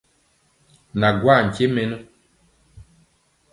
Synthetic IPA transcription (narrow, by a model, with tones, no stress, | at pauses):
na˨ɡwa˦˨ŋ̩˨ke˦me˦nə˦